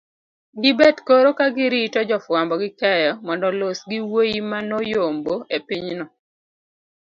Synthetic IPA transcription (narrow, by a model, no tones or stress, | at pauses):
ɡɪbɛdkoɾokaɡɪɾitɔd͡ʒɔfwambɔɡɪkɛjɔmɔndɔlosɡiwojimanojomboepiɲnɔ